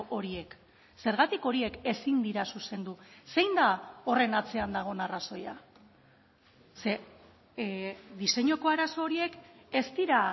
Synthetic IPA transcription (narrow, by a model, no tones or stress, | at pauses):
ʔo̞ɾie̞k | se̞ɾɣat̪iko̞ɾie̞ke̞sind̪iɾasuse̞nd̪use̞jnd̪ao̞re̞nat͡se̞and̪aɣ̞o̞naraso̞ja | se̞ | ðise̞ɲo̞ko̞aɾaso̞ːɾie̞ke̞st̪iɾa